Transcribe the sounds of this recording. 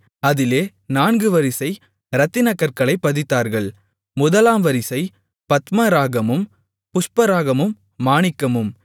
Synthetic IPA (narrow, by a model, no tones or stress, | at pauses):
ɐðɪleː | naːnɡɯʋɐɾɪsɐɪ | ɾɐt̪ːɪnɐkːɐɾkɐɭɐɪpːɐðɪt̪ːaːɾɣɐɭ | mʊðɐlaːmʋɐɾɪsɐɪ | pɐt̪mɐɾaːɣɐmɯm | pʊspɐɾaːɣɐmɯmː | aːɳɪkːɐmɯm